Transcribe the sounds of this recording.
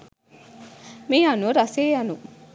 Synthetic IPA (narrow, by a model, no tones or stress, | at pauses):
meanuɾaseːanu